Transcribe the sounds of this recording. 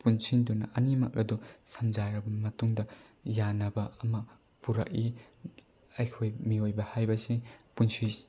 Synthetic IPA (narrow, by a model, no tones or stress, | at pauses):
punsindunɐ̰ʔɐnimɐ̰k̚ɐdusɐmzaɾɐbɐmɐtuŋdɐ | janɐbɐɐmɐ | puɾɐ̰k̚i | ɐjkʰojmiojbɐhajbɐsipunsi